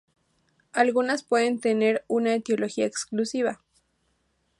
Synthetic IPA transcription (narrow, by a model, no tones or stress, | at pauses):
alɣunaspweðent̪eneɾunaet̪eo̞loxiaeksklusiβa